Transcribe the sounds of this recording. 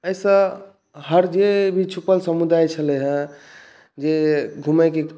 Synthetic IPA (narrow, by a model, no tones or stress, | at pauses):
əjsə̃ | ɦəɾd͡ʒebʱit͡ʃʰupəlsəmud̪ajt͡ʃʰələɦə̃ | d͡ʒeɡʱuməjke